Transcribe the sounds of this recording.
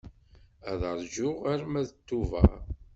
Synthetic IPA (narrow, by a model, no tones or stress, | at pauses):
æðəɾˤʒʊʁæɾmæðət̪ːuvæ̰